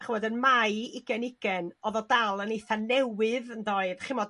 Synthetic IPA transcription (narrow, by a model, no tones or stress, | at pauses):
χəmɔdənmajɪɡ̥ɛnɪɡ̥ɛnɔðɔdalˠənejθanɛwɨðəndoɨðχɪmɔd